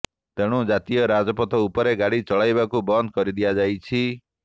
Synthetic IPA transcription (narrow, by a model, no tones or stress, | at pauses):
t̪eɽ̃ũd͡ʒat̪ijɔɾad͡ʒɔpɔt̪ʰɔupɔɾeɡaɽit͡ʃɔɭajbakubɔnd̪̚ʱkɔɾid̪ijad͡ʒajt͡ʃʰi